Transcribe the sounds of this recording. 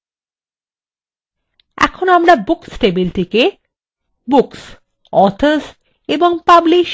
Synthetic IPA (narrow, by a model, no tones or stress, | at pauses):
ɛ̰kʰonoamɾabuksʈebilʈike | buks | ɔɾt̪ʰos | eboŋpabliʃ